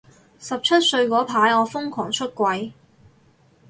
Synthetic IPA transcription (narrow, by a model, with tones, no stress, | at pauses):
sɐ˨p̚t͡ʃʰɐ˥t̚sɵ˧ɥkɔː˨˥pʰaː˨˥jɔː˨˧fʊ˥ŋkʰɔ̰ː˨˩ŋt͡ʃʰɵ˥t̚kʷwɐ˨˥j